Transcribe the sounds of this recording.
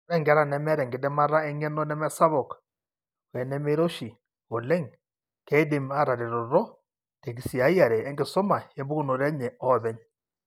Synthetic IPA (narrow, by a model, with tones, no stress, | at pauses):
ɾɛ˦ŋɡa˦ɾa˨nɛ˦mɛ˦ɾɛ˨ŋɡe˨dɛ˦ma˦ɾa˦ɛ˦ŋɛ˦nɔ˦nɛ˦mɛ˦sa˦βɔ˨k | wɛ˨nɛ˦me˦ɾo˦ʃi˨ | o˨lɛ˦ŋ | kɛ˦de˨ma˦ɾa˨ɾe˨ɾɔ˨ɾɔ˦ | tɛ˨k̬i˨si˨a˨˦i˦a˨ɾɛː˨˦ŋɡe˨so˦ma˨jɛ˨˦mbu˦ɣu˦no˨ɾɛ˦ɲɛ˨ɔ˦βɛ˦ɲ